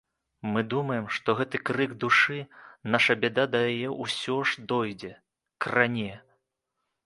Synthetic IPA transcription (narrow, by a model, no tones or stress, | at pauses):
mɨd̪umɐjɛmʂt̪ɔɣɛt̪ɨkɾɨɡd̪uʂɨnaʂɐbʲɛd̪ad̪ɐjajɛʔusʲɔʐd̪ɔjd͡zʲɛ | kranʲɛ